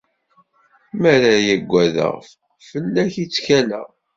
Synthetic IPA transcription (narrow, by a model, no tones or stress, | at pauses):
mæɾæjæɡʷːæðə̰ʁf | fəlːæçit͡sːçælə̰